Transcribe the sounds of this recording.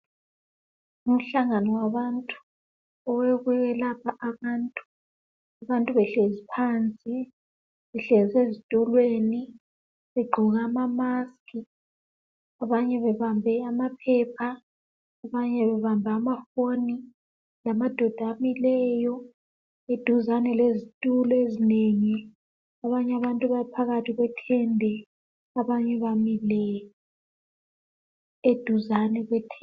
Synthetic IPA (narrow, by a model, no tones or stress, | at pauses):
um̩ɬaŋanɔwaβantʼu̥ | ɔwɛɣwɛɣɛlapʰaʔaβantʼu̥ | aβantʼuβɛɬɛzipʰant͡sʼi | βɛɬɛzezid̥ʱɔlweːni | βɛɡ͡ǃʱɔɣaːmamaskʰʼi | aβaɲɛβɛβambʱɛamapʰɛpʰaː | βaɲɛβɛβambʱaːmafoni | lamad̥ʱɔd̥ʱamilɛjɔ | ed̥ʱuzanɛlezitʼulɔezineŋi | aβaɲaβantʼuβaipʰaɣatʰiɣwɛtʰɛndʱɛ | aβaɲɛβamilɛjɔ | ed̥ʱuzanɛɣwɛtʰɛ